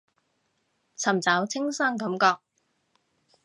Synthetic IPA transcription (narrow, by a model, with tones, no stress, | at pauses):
t͡sʰɐ˨˩mt͡saː˨˥wt͡sʰɪ˥ŋsɐː˥ŋkɐ˨˧˥mkɔː˧k̚